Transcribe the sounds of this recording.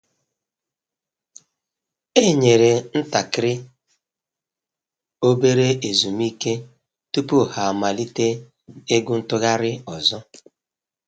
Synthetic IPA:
e˦˨ɲe˨ɾe˨n̩˦ta˨kɪ˦ɾɪ˦ | o˦be˦ɾe˦ʔe˨zu˨mi˦ke˦ | tu˦pu˦˨ha˨a˨ma˨li˦te˦ | e˦ɡʊ˦n̩˦tʊ˦ɣa˦ɾɪ˦ɔ˨zɔ˦

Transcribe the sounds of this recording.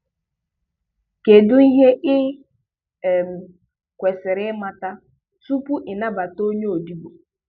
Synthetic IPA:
ke˨dʊ˦i˦ɦe˦ʔɪ˦˨ | m̩˨ | kʷe˨sɪ˨ɾɪ˦ma˦ta˦ | tu˦pu˦ʔɪ˨na˦ba˨to˦ɲe˦o˨di˦bo˨

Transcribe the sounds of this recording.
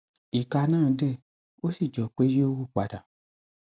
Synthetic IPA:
i˨ka˧nãː˦˨de˦˨ | o˦si˦˨d͡ʒɔ˨k͡pe˨˦je˦o˦wu˦˨k͡pa˨da˨

